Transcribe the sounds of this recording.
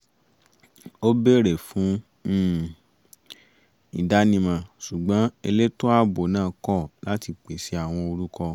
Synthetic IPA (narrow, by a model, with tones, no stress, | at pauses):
o˦be˦ɾɛ˨fũ˨˦ | i˨da˨˦nĩ˧mã˧ʃu˨ɡ͡bã˨˦e˧le˦to˦a˦bo˨nãː˦˨kɔ˦˨la˦ti˧˨k͡pe˨si˨˦a˦˨w̃ɔ̃˧o˧ɾu˦kɔ˧